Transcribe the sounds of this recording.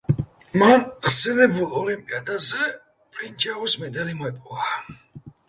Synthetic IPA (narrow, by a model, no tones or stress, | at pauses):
manχsɛlɛbulɔlimpʼiad̪azɛ | pʼɾind͡ʒausmɛd̪alimɔɛpʼɔva